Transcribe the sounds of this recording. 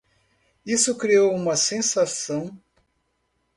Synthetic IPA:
isʊkɾiowũmɐsẽsasɐ̃w̃

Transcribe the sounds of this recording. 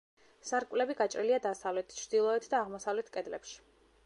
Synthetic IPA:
saɾkʼvlɛbiɡat͡ʃʼɾiliad̪asavlɛt̪ʰt͡ʃʰɾd̪̥ilˠɔɛt̪ʰd̪aːʁmɔsavlɛt̪ʰkʼɛd̪lɛpʃi̥

